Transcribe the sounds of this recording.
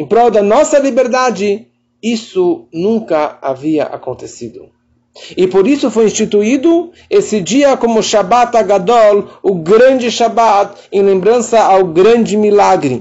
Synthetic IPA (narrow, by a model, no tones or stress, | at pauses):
ẽpɾɔwd̪ɐnɔsɐlibeɾd̪ad͡ʒɪ | isʊnũŋkɐaviɐ̰ʔa̰kõnt̪esid̪ʊ̰ | ɪpoɾisʊfojĩst͡ʃit̪uid̪ʊ | esɪd͡ʒiɐkõmʊʃabat̪aɡad̪ɔlʊɡɾɐ̃nd͡ʒɪʃabat̪ẽlẽmbɾɐ̃nsɐʔawɡɾɐ̃nd͡ʒɪmilaɡɾɪ